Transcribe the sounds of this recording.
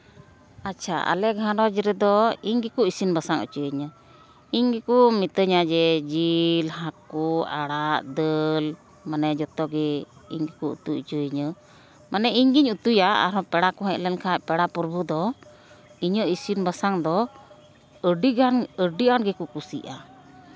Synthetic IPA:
at͡ʃʰaʔa̰lɛʔɡʱanɔd͡ʒɾɛd̪ɔiɲɡɛkuʔisinbasaŋə̰t͡ʃəəɲə | iɲɡɛkumit̪əɲad͡ʒɛd͡ʒilhakuaɽaʔd̪əl | manɛd͡ʒɔt̪ɔɡɛḭɲɡɛkuʔṵt̪uʔt͡ʃəiɲə | manɛiɲɡiɲut̪ujaa̰ɾɔpɛɽakɔɦɛʔlɛnkʰapɛɽapɔɾbud̪ɔ | iɲəʔisinbasaŋd̪ɔ | əɖiɡanəɖiʔanɡɛkukusḭʔa

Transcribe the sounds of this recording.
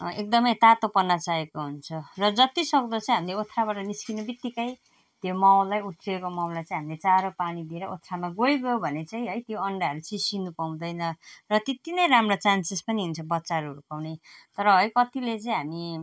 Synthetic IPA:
ʔek̚d̪ʌmʌjt̪at̪opʌnːat͡saekoɦunt͡sʰʌrʌd͡zʌt̪isʌk̚d̪ʌt͡sãĩɦamileot̪ʰːɾabaʈʌniskinubit̪ːikaj | t̪jomawlajuʈ̪ʰriekomawlajt͡saĩɦamilet͡saɾopanid̪ieɾʌʔot̪ʰɾamaɡojɡʌjobʱʌnet͡saĩɦʌjt̪joʌɳɖaʌɾut͡sisinupaw̃d̪ʌjnʌrʌt̪it̪inʌjɾamrat͡sansespʌniɦunt͡sʰʌbʌtːsaɾuɦʌɾupawnet̪ʌɾʌɦʌjkʌt̪ilet͡saĩɦami

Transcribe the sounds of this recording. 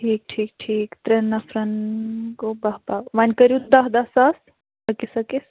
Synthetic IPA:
ʈʰiːk̚ʈʰiːk̚ʈʰiːkt̪ɾenːɐfʰɾɐnkobɐɦbaːʋɐnʲkɐɾjud̪ɐɦd̪ɐsɐs | ɐkisɐkis

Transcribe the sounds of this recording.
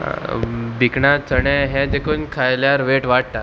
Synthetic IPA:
bikɳat͡sʰəɳɛ̃ɦɛ̃d͡ʑekʰuːnkʰajljaɾʋeʈʋaɽ̚t̪a

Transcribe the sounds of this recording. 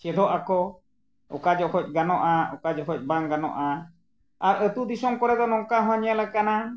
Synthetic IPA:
t͡ʃɛd̪ɔʔakɔ | ɔ̰kad͡ʒɔhɔc̚ˀɡanɔʔaɔkad͡ʒɔɦɔc̚ˀbaŋɡanɔ̰ʔa | aɾət̪ud̪isɔŋkɔɾɛd̪ɔnɔŋkaɦɔ̃aɲalɛkana

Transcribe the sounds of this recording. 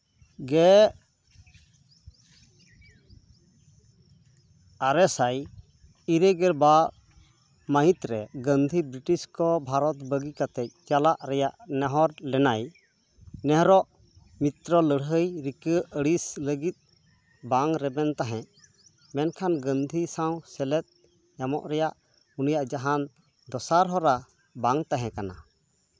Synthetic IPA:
ɡɛ | aɾɛsaj | iɾəɡɛɾba | məɦĩt̪ɾɛɡənd̪ʱibɾiʈiskɔbʱaɾɔt̪bəɡikat̪ɛc̚t̪jalaʔɾɛjaʔnɛɦɔɾlɛnaj | nɛɦɔɾɔʔ | mit̪ɾɔləɽɦəjɾikəəɽisləɡit̪̚ | baŋɾɛbɛnt̪aɦɛ̃ | mɛnkʰanɡənd̪ʱisaw̃sɛlɛt̪̚ | jamɔ̰ʔɾɛjaʔ | unijaʔd͡ʒaɦan | d̪ɔsaɾɦɔɾa | baŋt̪aɦɛ̃kana

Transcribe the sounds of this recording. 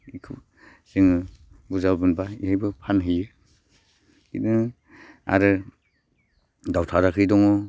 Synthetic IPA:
ikʰɯ̰ | sɯŋɯ | buzabɯnbaḭɦajbɯpʰanɦɯjɯ | kinɯ | a̰ɾɯ | dawtʰaɾakʰɯjdɔŋɔ

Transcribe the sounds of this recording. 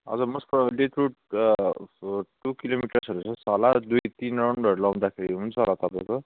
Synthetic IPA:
ʌ̰d͡zʌmʌspʌlet̪ɾuʈ | ʈukilomiʈʌrsʌɾut͡sʰʌsalad̪ujt̪inraw̃ɳɖʌɾulaw̃d̪akʰeɾiɦunt͡sʰʌolat̪ʌpãj̃ko

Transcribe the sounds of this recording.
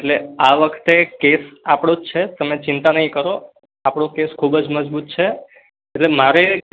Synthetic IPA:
eʈleaʋəkʰt̪ekesapɽ̃od͡ʒt͡ʃʰet̪əmet͡ʃɪnt̪anəɦĩkəɾo | apɽ̃õkeskʰubd͡ʒməd͡ʒbut̪̚t͡ʃʰe | eʈlemaɾe

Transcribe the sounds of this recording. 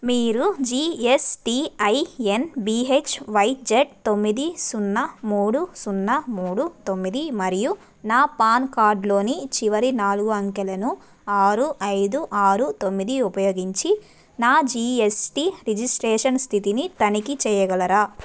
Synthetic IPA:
miːɾud͡ʒiːesʈiɐjenbiet͡ʃʋɐjt̚d͡ʒeʈ̚t̪o̞mːid̪isunːɐmuːɽusunːɐmuːɽut̪o̞mːid̪imɐɾiju | naːpaːnkaːɾɖlo̞ːnit͡ʃiʋɐɾinaːluɡuɐŋkɛlɐnu | aːɾuʔɐjd̪uʔaːɾut̪o̞mːid̪iupɐjo̞ːɡiɲt͡ʃi | naːd͡ʒiesʈiɾid͡ʒisʈɾeːʂɐnst̪ʰit̪init̪ɐnikit͡ʃɛːjɐɡɐlɐɾaː

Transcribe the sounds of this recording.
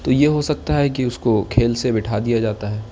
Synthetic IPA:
t̪ojeɦosɐk̚t̪aɦɛk̬iʊskokʰeːlsebɪʈʰad̪ijad͡ʒaːt̪aɦɛː

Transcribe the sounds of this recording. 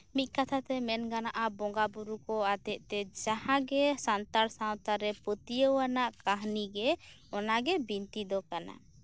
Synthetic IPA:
mit̪̚ˀkat̪ʰat̪ɛmɛnɡanaʔabɔŋɡabuɾukɔat̪ɛʔt̪ɛd͡ʒahãɡɛsant̪aɾsawt̪aɾɛpət̪ijəwanaʔkaɦniɡɛ | ɔnaɡɛbint̪id̪ɔkana̰

